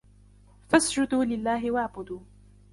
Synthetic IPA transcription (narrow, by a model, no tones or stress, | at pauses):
fasd͡ʒʊd̪uːlɪlːaːɦɪwaʕbʊd̪uː